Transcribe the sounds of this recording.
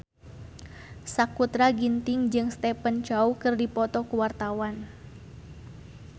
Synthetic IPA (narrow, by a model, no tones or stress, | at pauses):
sakut̪ɾaɡint̪ɪŋd͡ʒɨŋst̪ɛpənt͡ʃaukɨrdipɔt̪ɔkuwart̪awan